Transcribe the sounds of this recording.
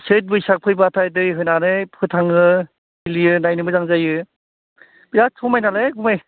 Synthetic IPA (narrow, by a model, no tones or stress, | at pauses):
set̬̚bɯjsak̚pʰɯjbatʰajdɯjɦɯjnanɯpʰɯtʰaŋɯ | ilijɯnajnɯmɯzaŋzajɯ | biasʰɔmajnaleɡumaj